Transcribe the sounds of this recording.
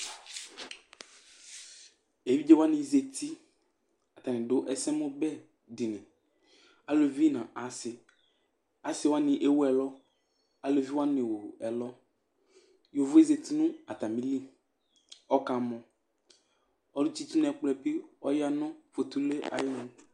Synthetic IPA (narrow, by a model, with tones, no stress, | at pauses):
e˨vi˦d͡ʒe˦wa˦nɪ̃˨ze˨t̪ʰi˦ | a˨t̪a˨nɪ̃˨dʊ˦ʔɛ˨sɛ˦mõ˦bɛ˦ | di˨nɛ̃˨ | a˨lo˨vi˦nã˨ʔa˨sɪ˨ | a˨sɪ˨˦wa˦nɪ̃˨ʔe˦wu˦ɛ˨lɔ˦ | a˨lo˨vi˦wa˦nɪ̃˨wo˨ɛ˨lɔ˦ | jo˨vʊ˦e˦ze˨t̪i˦nʊ̃˦a˨t̪a˨mĩ˦li˦ | ɔ˦ka˨mɔ̃˨ | ɔ˦dʊ˦t͡ʃi˦t̪i˦nɛ˨k͡plɛ˨pi˦ɔ˦ja˦nɔ̃˦fo˨t̪u˨le˦a̰˨jɪ˦nʊ̃˨